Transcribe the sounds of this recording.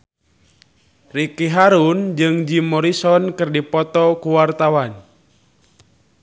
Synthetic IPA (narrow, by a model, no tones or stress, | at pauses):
rikiɦaɾund͡ʒɨŋd͡ʒimɔɾisɔnkɨrdipɔt̪ɔkuwart̪awan